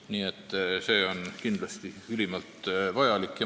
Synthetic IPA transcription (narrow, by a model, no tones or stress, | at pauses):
niːet̪ːˑse̞ːo̞nkind̪lɑst̪iylʲimɑlt̪vɑjɑlikːjɑ